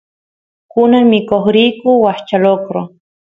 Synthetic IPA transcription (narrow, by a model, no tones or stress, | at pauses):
kʊnamɪkoχɾiːkʊwaht͡ʃalokɾo